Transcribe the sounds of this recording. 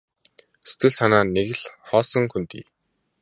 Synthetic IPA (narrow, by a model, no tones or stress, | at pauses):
se̥t̪ɡɘ̆ɮsanaːneɣɘ̆ɮχɔːsə̆ŋkunt̪ḭː